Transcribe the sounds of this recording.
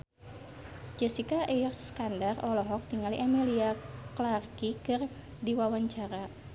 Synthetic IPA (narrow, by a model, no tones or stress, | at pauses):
d͡ʒɛsikaʔirskandarɔlɔɦɔk̚t̪iŋaliʔameliaklarkikɨr | diwawaɲt͡ʃaɾa